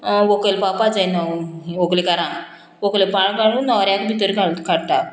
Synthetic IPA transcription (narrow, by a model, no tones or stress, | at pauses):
ʋokelpapad͡zajnaiʋoklekaɾã | ʋoklepaɳkaɭũnːɔɾjãkbʱit̪əɾkaɭt̪kʰaɽt̪a